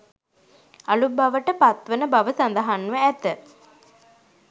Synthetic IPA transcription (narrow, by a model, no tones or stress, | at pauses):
alubaʋəʈəpat̪ʋənəbaʋəsand̪əɦanːʋəæt̪ə